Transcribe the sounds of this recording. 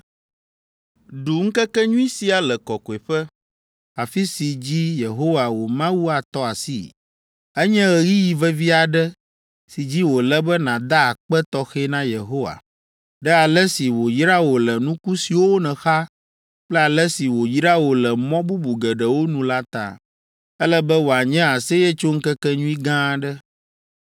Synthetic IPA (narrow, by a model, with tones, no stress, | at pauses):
ɖu˨ŋ̩˦kɛ˦kɛ˦ɲũ˦ĩ˦si˨a˨lɛ˨kɔ˨kɔ˨e˨ɸɛ˦ | a˨fi˦si˨d͡ʑi˦je˨ɦo˦wa˨wo˨mã˦wu˦a˨t̪ɔ˦a˨sḭ˦˨ | ɛ˦ɲɛ̃˦ɣɛ˨ɣi˦ji˨vɛ˦vi˦a˨ɖɛ˦ | si˨d͡ʑi˦wo˨lɛ˦bɛ˦nã˨d̪a˦a˨k͡pɛ˦t̪ɔ˦xɛ˦nã˦je˨ɦo˦wa̰˨ | ɖɛ˦a˨lɛ˦si˨wo˨ji˦ɾa˦wo˨lɛ˨nũ˦ku˦si˨wo˦o˦nɛ̃˨xa˦ | k͡plɛ˦a˨lɛ˦si˨wo˨ji˦ɾa˦wo˨lɛ˨mɔ̃˦bu˦bu˨ɡɛ˨ɖɛ˨wo˦nũ˨˦la˦t̪a̰˨ | ɛ˦lɛ˦bɛ˦wo˨a˨ɲɛ̃˦a˨se˦jɛ˦t͡ʃo˦ŋ̩˦kɛ˦kɛ˦ɲũ˦i˦ɡã˦ɖɛ˦